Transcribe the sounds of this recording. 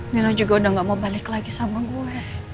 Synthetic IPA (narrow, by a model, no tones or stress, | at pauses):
nilad͡ʒuɡaudaŋɡaʔmaubalɪklaɡisamaɡuɛ